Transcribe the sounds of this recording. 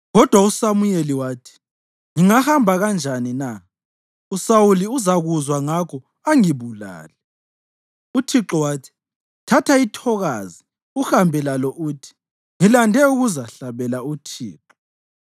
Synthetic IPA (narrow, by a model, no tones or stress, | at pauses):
ɣɔd̥ʱwausamujeliwaːtʰi̥ | ŋiŋahambʱaɣand͡ʒʱanina | usawuliuzaɣuzwaŋakʰɔ | aŋiβula̰ːlɛ | utʰiǁɔwaːtʰi̥ | tʰatʰaitʰɔɣazi | uxambʱɛlalɔʔuːtʰi̥ | ŋilandʱɛuɣuzaɬaβɛlautʰḭːǁɔ